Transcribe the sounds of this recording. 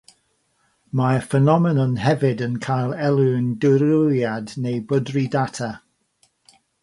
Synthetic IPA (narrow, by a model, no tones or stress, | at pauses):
mafənɔmɛnɔnɦɛvɪdənkʰajlˠɛlˠɨndɪɾʊlˠjadnejbədridatʰa